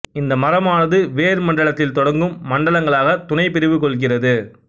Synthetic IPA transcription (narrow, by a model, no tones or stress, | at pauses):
ɪnd̪ɐmɐɾɐmaːnɐðɯʋeːɾmɐɳɖɐɭɐt̪ːɪlt̪ɔɽɐŋɡɯmːɐɳɖɐɭɐŋɡɐɭaːɣɐt̪ʊnɐɪpɪɾɪʋɯkɔɭɣɪrɐðɯ